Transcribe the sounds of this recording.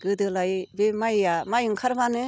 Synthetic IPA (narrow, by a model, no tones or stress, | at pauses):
ɡ̥ɯdɯlajbemajjamajɯŋkʰaɾbanɯ